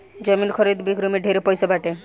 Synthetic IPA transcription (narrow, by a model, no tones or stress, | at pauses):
d͡ʒɔminkʰɔɾid̪bikɾomiɖʱeɾepɔjsɔbʱaʈe